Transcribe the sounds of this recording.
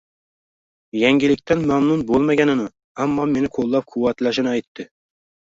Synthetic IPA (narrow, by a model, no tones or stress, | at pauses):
jɛŋɡʲilɪk̚ʲt̪ʰænmæmnunbolˠmaɡʲɛnɪnɪ | æmːɑmenɪqʰolˠːɑp̚qʰʊwːæt̪læʃɪnɪɑjt̪ʰːɪ